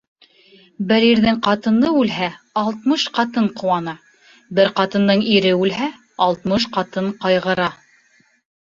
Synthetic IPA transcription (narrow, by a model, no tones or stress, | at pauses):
bɘɾiɾðɘŋqɑt̪ɤ̆nd̪ɤʉlɦæ | ɑlˠt̪mɤʃqɑt̪ɤɴqŏwɑnɑ | bɘɾqɑt̪ɤ̆nd̪ɤɴiɾɘʉlɦæ | ɑlˠt̪mɤʃqɑt̪ɤɴqɑjʁɤ̆ɾɑ